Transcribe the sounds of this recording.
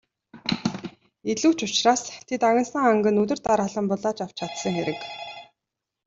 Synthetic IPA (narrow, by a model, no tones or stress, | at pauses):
eɮuːt͡ɕʊt͡ɕraːst̪ʰet̪aɣʲɪ̆nsə̆ŋaŋɡɘ̆nɵt̪ɵ̆rt̪aɾaɮə̆mpʊɮaːt͡ɕaw̥t͡ɕʰat̪sə̆ŋxeɾɘ̆k